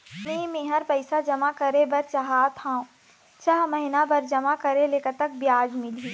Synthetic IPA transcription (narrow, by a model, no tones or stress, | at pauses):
nemẽːɦəɾpɐɪsad͡ʒɐmakɐɾebɐɾt͡ʃaɦaːt̪ʰãːũ | t͡ʃaːɦmɐɦɪnabɐɾd͡ʒɐmakɐɾeleːkət̪ək̚bjaːd͡ʒmɪliː